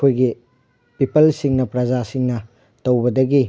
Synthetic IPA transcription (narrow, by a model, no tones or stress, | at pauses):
kʰojɡi | pipɐlsiŋnɐpɾɐd͡ʒasiŋnɐ | tɐwbɐdɐɡi